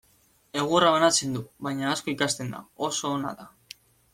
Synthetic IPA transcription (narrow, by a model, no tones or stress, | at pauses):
e̞ɣ̞ueraβanat͡se̞nd̪uβajɲaːsko̞ikast̪e̞nd̪a̰o̞so̞ːna̰ða